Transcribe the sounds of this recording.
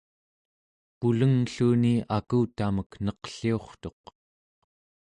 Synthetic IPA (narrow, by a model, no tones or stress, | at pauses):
puləŋɬuːniakuːt̪aməknʌqə̥ɬio̞χt̪o̞q̚